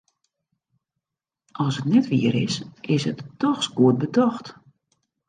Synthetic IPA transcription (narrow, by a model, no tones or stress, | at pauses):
ɔlˠsətnɛtʋiəɾɪ̰sʔɪsɦətːɔxsɡuət̚bədɔxt